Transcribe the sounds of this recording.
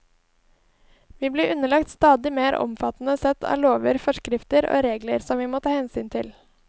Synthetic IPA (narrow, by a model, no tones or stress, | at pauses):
ʋiːbliːɾʔʉnəlɑkt̪st̪ɑːd̪ɪmeːɾɔ̰mfɑt̪n̩əsɛt̪ʰɑ̰ːloːʋəɾfɔʃkɾɪft̪əɾo̰ːɾeːɡləɾsɔmʋiːmoːt̪ʰɑːhɛnsyːnt̪ʰɪl